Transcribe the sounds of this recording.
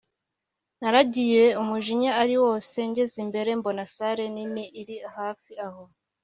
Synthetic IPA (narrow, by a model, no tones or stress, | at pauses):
naɾaɟije̞umuʒiɲaaɾiwo̞ːse̞ɲɟezimbe̞ɾe̞mbo̞nasaɾe̞niniʔːɾihaːfiaho